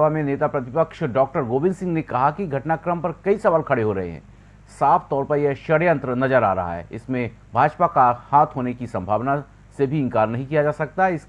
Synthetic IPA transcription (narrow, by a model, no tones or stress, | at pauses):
amẽneːt̪apɾɐt̪ɪpəkʃɖɔːk̚ʈəɾɡoːbɪ̃nsɪ̃ŋɡnekɐɦakiɡʱɐʈnakɾəmpɐɾkɐisɐʋaːlkʰɐɽeɦoɾɐ̰ɦḛɦɛ̰̃ː | saːfʰt̪ɔːɾpəɾjeʃɐɽjə̃nt̪ɾənɐzəɾa̰ːɾɐ̰ɦa̰ɦɛ̰ːɪsmẽ | bʱaːd͡ʒpakahaːt̪ʰɦoːnekisɐ̃mbʱaːʋna | sebʱiɪ̃ŋkaːɾnɐɦĩkijad͡ʒaːsɐk̚t̪aɦɛɪs